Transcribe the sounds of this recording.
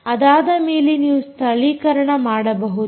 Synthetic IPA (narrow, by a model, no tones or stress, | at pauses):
ɐd̪aːd̪ɐmeːlinjiːst̪ʰɐliːkɐɾɐɳɐmaːɽɐbɐɦud̪